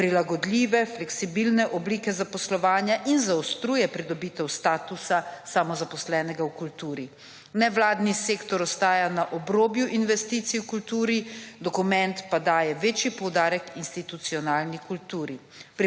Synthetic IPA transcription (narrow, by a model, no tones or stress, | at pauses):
pɾilaɡɔd̪lʲiːʋɛflɛksibilnɛʔɔbliːkɛzapɔslɔʋaːnjaʔinzaɔst̪ɾuːjɛpɾid̪ɔbiːt̪ɛwst̪aːt̪usasamɔzapɔslɛːnɛɡawkult̪uːɾi | nɛʋlaːd̪niseːkt̪ɔɾɔst̪aːjanaʔɔbɾoːbjuʔinʋɛst̪iːt̪sijwkult̪uːɾid̪ɔkumɛnt̪pad̪aːjɛʋeːt͡ʃjipɔwd̪aːɾɛkinst̪it̪ut̪siɔnaːlnikult̪uːɾi | pɾi